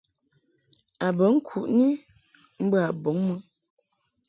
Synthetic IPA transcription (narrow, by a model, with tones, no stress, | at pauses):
a˨bə˨˦ŋ̩˦kʰu˨ʔni˦ | m̩˦bə˦a˨bɔ˨˦ŋmə˦